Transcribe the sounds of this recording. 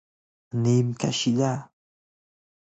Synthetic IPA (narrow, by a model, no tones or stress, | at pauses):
nimka̰ʃiʎaː